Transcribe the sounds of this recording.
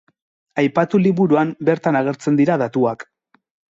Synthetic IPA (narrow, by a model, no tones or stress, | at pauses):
ajpat̪uliβuɾuambe̞ɾt̪anaɣ̞e̞ɾt͡se̞nd̪iɾaðat̪uak